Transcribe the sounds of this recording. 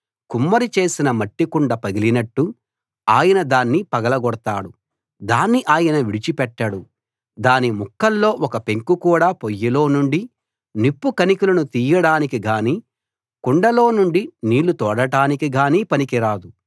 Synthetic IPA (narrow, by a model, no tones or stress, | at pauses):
kumːɐɾit͡ʃe̞ːsinɐmɐʈːikuɳɖɐpɐɡilinɐʈːu | aːjɐnɐd̪aːnːipɐɡɐlɐɡɔɽt̪aːɽu | d̪aːnːiʔaːjɐnɐʋiɽit͡ʃipɛʈːɐɽu | d̪aːnimukːɐlːo̞ːʔɔkɐpe̞ŋkukuːɽaːpojːɐlo̞ːnuɳɖi | nipːukɐnikulɐnut̪iːjɐɽaːnikiɡaːniː | kuɳɖɐlo̞ːnuɳɖiniːlut̪ɔːɽɐʈaːnikiɡaːniːpɐnikiɾaːd̪u